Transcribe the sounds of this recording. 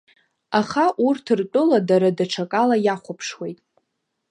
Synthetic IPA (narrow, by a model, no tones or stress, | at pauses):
aχaʔurtʰɨrtʼʊladaɾadaʈ͡ʂʰakʼalajaχʷapʰʂwejtʼ